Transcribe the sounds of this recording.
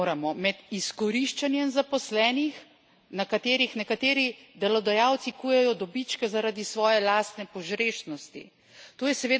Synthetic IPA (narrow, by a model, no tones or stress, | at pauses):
ɾamɔmɛd̪iskɔɾiʃt͡ʃanjɛnzapɔslɛːnix | nakat̪eːɾixnɛkat̪eːɾid̪ɛlɔd̪ajawt̪sikujɛjɔd̪ɔbit͡ʃkɛzaɾaːd̪isʋɔːjɛlaːst̪nɛpɔʒɾeːʃnɔst̪ḭ | t̪oːjɛsɛʋeː